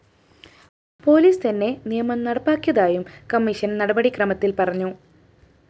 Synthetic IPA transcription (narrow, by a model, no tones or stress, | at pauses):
po̞ːliːst̪ɐnːe̞nijɐmɐmnɐɽɐpːaːkʲːjɐðaːjumkɐmːiʂɐnnɐɽɐbɐɽikrɐmɐt̪ːilpɐrɐɲːu